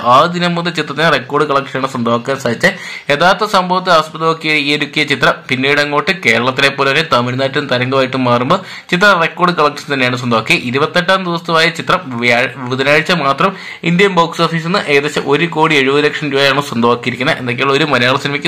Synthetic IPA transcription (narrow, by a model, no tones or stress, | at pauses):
aːd̪inɐmːunɨt͡ɕit̪rɐt̪ːinerekːo̞ːrɖɨkɐɭɐk̚ʂɐnaːɳɨswɐnd̪ʱɐʋɐkːaːnsaːd̪it͡ɕːɨ | e̞ðaːt̪ːɐsɐmbʱɐʋɐt̪ːɨɐɐspɐðɐʋokːijeijɐɾukʲːujɐt͡ɕit̪rɐmpinːeːjɽɐŋːoːʈːɨke̞ːɾɐɭɐt̪ːinepːolɐɐnet̪ɐmiɾnaːʈːunt̪ɐɾɐŋɡɐʋaːjiʈːumːaːrumboː | t͡ɕit̪rɐrekːo̞ːrɖɨkɐɭɐk̚ʂɐ̥nt̪ɐnːejaːɳɨs̬wɐnd̪ɐaʋɐkːijɐʔiɾubɐt̪ːeʈːaːnd̪iʋɐst̪umaːjɐt͡ɕit̪rɐmːʋiʋid̪ʱɐnaːɻit͡ɕːɐmaːt̪rɐm | ind̪jɐnbɐːksoːfiːsenːɨʔeːɐðet͡ɕːɐʔo̞ɾuko̞ːɽie̞ɻubɐðɨɾɐkʂɐmɾuːjɐjaːɳɨswɐnd̪ʱɐʋaːkːijiɾikʲːunːɐʔe̞nd̪ɐkːeuo̞ɾumɐnɐjaːɭɐsinɐmɐkʲːɨ